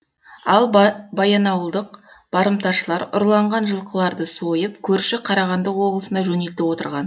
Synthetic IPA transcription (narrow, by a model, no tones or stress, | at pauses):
ɑlˠbɑjɑnɑwəlˠd̪əqb̥ɑɾəmt̪ɑʃəlˠɑɾʊ̰ɾlˠɑɴʁɑnʒəlˠqəlˠɑɾd̪əso̞jəp̚kʲʰɵɾʃɪqʰɑɾɑʁɑnd̪əqwo̞blˠəsənd̪ɑʒɵne̞lt̪ɪwo̞t̪əɾʁɑn